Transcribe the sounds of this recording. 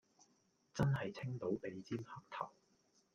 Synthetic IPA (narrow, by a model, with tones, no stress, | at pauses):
t͡sɐ˥nhɐ˨jt͡sʰɪ˥ŋt̪o˨˥wpe˨jt͡siː˥mhɐ˥k̚t̪ʰɐ̰˨˩w